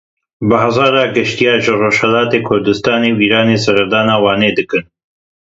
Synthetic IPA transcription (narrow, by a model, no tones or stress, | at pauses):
bɨɦazɑːɾɑːɡɨʃt̪ijɑːʒɨroːʃhɛlaːt̪eːkʰʊɾd̪ɨst̪aːneːwiːɾaːneːsɐɾɐd̪aːnaːwɑːneːd̪ɨkɨn